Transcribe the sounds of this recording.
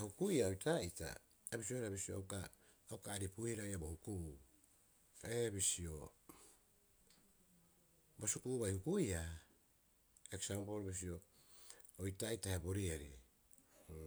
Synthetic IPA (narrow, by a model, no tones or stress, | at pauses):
hukujaojtajta̰ | ebisio̞eɾabisioawkaː | wkaːɾipuihiɾajabohukuu | ebisio̞ | bosukuβajhukuja | eksampo̞lbis̬io̞ | ojtajtaheabo̞ɾieɾi